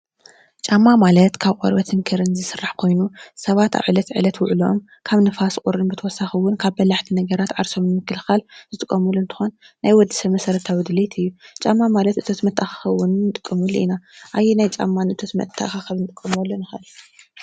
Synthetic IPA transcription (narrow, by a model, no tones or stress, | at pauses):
t͡ʃʼamːamalɐt̪kʰaβqʼo̰ɾbɐt̪ʰɨŋkʰɨɾɨnzɨsɨrːaħkʰo̞jnusɐβat̪ʰa̰βʕɨlɐt̪ʕɨ̰lɐt̪wʊʕliom | kʰaβnɨfaskʼuɾɨnbɨt̪ʰɐwɔsaxɨwʊnkʰaβbɐlaħt̪ʰinɐɡɐɾat̪ʕaɾso̞mjɨmɨkːɨlxalzɨt̪ʼɨkʼːɐmulɨnt̪ʰɨ̥xonː | ajwɔd̪ɨ̥sɐmɐsɐɾɐt̪ʰawid̪ɨlet̪ʰɨjːut͡ʃʼamːamalɐt̪ʔɨt̪ʰo̞t̪mɐt̪ʰːaxḁxɐwʊnːɨt̪ʼɨkʼːɐmulʔḭnaʔajːenajt͡ʃʼa̰mːanɨɨt̪ʰot̪mɐ̰t̪ʰːa̰ʔxaxɐβnɨt̪ʼɨkʼːɐmɐlːonɨxɐʔɨl